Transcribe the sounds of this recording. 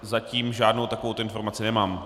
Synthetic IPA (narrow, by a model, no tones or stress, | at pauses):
zaciːmʒaːdno̞wt̪akovowt̪oɪnfoɾmat͡sɪnɛmaːm